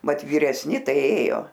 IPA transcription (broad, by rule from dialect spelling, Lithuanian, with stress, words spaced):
ˈmɐt ʋʲiːrʲɛsʲˈnʲɪ ˈtɐɪ ˈeːjoː